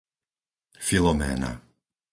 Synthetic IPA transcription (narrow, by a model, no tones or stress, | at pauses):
filɔmɛ̰ːna̰